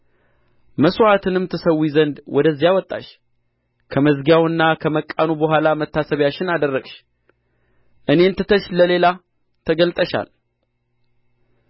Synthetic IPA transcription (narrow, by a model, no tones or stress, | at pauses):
məswat̪ʰɨnɨmt̪ʰɨsəwːizənd̪wɔd̪əzːjawɔt̪ʼːa̰ʃ | kʰəməzɡawɨnːakʰəməkʼːanubəɦʷwalamət̪ʰːasəβjat͡ʃːɪnad̪ərːəɡʃ | ʔɨne̞nt̪ʰɨt̪ʰəʃləle̞la | t̪ʰəɡəlt̪ʼəʃa̰l